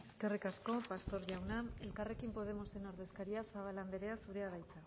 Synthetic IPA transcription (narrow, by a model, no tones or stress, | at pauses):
e̞ske̞rikasko̞past̪o̞ɾʝawnae̞lkare̞kimpo̞ð̞e̞mo̞se̞no̞ɾð̞e̞skaɾiasaβ̞alambe̞ɾe̞asuɾe̞aβajt͡sa